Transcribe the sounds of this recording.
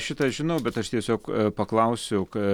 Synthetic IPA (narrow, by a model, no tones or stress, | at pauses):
ʃʲɪt̪ɐʒʲɪnɐʊbʲɛt̪ɐʃt̪ʲiɛsʲoːkpɐklˠɐʊsʲʊk